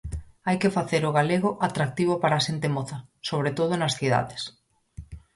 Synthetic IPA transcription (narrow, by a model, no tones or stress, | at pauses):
ajkefaθeɾʊɣaleɣoʔat̪ɾak̚t̪iβ̞opaɾaːʃent̪emoθasoβɾet̪oðʊnɐsθiða̰ðes